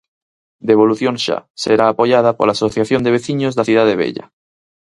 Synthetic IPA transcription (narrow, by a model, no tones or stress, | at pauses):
d̪eβ̞oluθjoŋʃa̰seɾaːpoʎað̞apo̰laːsoθjaθjond̪eβeθiɲozðaθjiðaðeβ̞ḛʎa̰